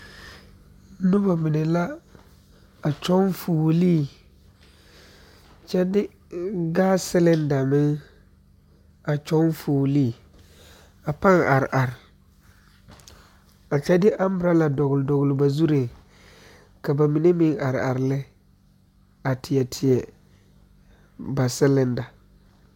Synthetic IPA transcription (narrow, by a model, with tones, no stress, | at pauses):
nʊ˦ba˨mɪ˨nɛ˨la˦ | a˨t͡ʃɔ˦nfuː˨liː˦˨ | t͡ʃɛ˦dɪ˦ | ɡaː˦sɪ˦lɪ˦nda˨mɪ˦ŋ | a˨t͡ʃɔ˦nfoː˨liː˦˨ | a˨pa˦ŋa˨ɾʔa˨ɾɪ˨ | a˨t͡ʃɛ˦dɪ˦ʔa˦m˦bɪ˨ɾa˦la˨dɔ˨ɣʊ˨ldɔ˨ɣʊ˨lɪ˨ba˨zu˦ɾe˨ | ka˨ba˨mi˨ne˦mɪ˦ŋa˨ɾa̰˨ɾɪ˨lɪ˦ | a˨tʰɪ˨jɛ˨tʰɪ˨ɛ˨ | ba˨sɪ˦lɪ˨nda˨